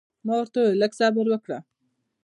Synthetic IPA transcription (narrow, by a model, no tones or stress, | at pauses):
mawəɾt̪alaksɑbɪɾwəkɽa